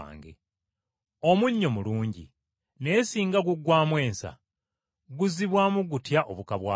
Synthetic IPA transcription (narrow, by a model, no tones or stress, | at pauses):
ŋɡḛ | o̞muɲːo̞muluːɲɟḭ | ne̞ːsiːŋɡaɡuɡwaːmwe̞ːnsa̰ | ɡuziβwaːmuɡutjaʔoβukaβwa̰ː